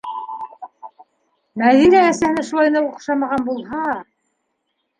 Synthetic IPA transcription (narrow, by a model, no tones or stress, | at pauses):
mæðinæːsæhɘ̆næʃulˠɑjnɑuqʃɑmɑʁɑnbulˠɦɑ